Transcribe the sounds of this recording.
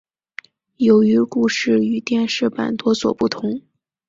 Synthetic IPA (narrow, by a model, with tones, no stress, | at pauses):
jo˧˥ʊy˧˥ku˥˧ʂɻ̩˥˩y˨˩t̪jɛ˥˧nʂɻ̩˥˩pa̰˨˩nt̪wɔ˥swɔ̰˨˩pu˥˩t̪ʰʊ˧˥ŋ